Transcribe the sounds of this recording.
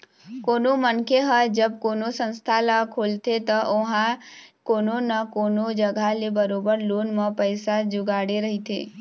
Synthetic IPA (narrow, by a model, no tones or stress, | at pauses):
koːnomənkʰeɦəd͡ʒəb̚koːnosə̃nst̪ʰalakʰoːlt̪ʰet̪əʔʊɦãkoːnonəkoːnod͡ʒəɡʱalebəɾoːbəɾloːnmə̃pəɪsad͡ʒʊɡaːɽeɾəɦit̪ʰḛː